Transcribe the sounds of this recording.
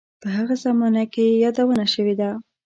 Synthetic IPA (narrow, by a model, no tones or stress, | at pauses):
pəɦaɣazamɑnakejɑd̪awənaʃəwed̪a